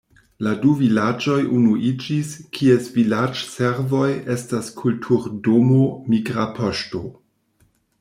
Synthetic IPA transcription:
laduvilad͡ʒo̞jʔunuʔid͡ʒiskʰiesvilad͡ʒseɾvo̞je̞staskʰultʰuɾdomomiɡɾapʰoʃto̞

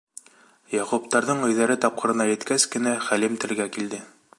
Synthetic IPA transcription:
jɑqupt̪ɑɾðɤɴɵ̆jðæɾɘt̪ɒp̚qɤ̆ɾɤ̆nɑjɘ̆t̪kæskɘ̆næχælɘmt̪ɘ̆ɾɡækild̪ɘ

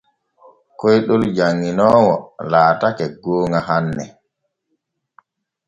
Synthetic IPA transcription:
kɔjɗɔld͡ʒaŋːinɔːwɔlaːtakɛɡoːŋaɦanːɛ

